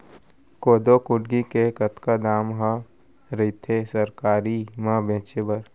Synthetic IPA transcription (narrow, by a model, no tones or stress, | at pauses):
koːd̪okʊɖɡikekət̪kad̪aːmɦə | ɾɐit̪ʰesəɾkaːɾimãbʱẽːt͡ʃebɐɾ